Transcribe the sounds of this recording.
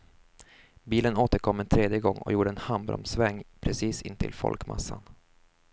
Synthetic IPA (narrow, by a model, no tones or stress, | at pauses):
biːlənoːt̪əɾkʰɔmːɛnt̪ʰɾeːd̪jəɡɔŋːɔ̰juːɖəɛnhambɾɔ̰msvɛŋːpʰɾɛsiːsɪnt̪ʰɪ̰lfɔ̰lkma̰sːan